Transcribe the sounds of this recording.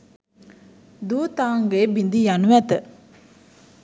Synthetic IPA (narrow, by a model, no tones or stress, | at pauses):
d̪ut̪ãŋɡebind̪ijanuwat̪ə